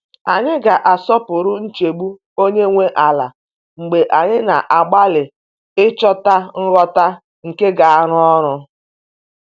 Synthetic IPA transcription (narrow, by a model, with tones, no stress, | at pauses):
a˨ɲɪ˦ɡa˨ʔa˨sɔ˦pʊ˨ɾʊ˦n̩˦t͡ʃe˨ɡ͡bu˦ | o˦ɲe˦ŋʷe˦ʔa˨la̰˨ | ŋ͡m̩˨ɡ͡be˨ʔa˨ɲɪ˦na˨ʔa˨ɡ͡ba˦lɪ˨ | ɪ˦t͡ʃɔ˦ta˦ŋ̩˦ɾɔ˦ta˦ | ŋ̩˨ke˦ɡa˨a˦ɾʊ˦ɔ˦ɾʊ˦